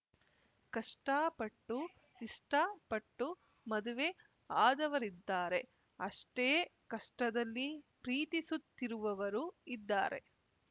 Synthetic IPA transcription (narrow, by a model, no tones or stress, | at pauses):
kɐʂʈaːpɐʈːu | iʂʈɐpɐʈːu | mɐd̪uʋe | aːd̪ɐʋɐɾid̪ːaːɾe̞ | ɐʂʈeːkɐʂʈɐd̪ɐlːipɾiːt̪isut̪ːiɾuʋɐʋɐɾuid̪ːaːɾe̞̰